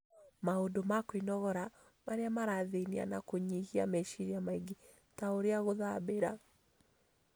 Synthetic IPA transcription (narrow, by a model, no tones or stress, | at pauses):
maodomakoinɔɣɔɾa | maɾeamaɾaðenia̰nakoɲihiamɛʃiɾiamaiɡi | taoɾeaɣoðabeɾa̰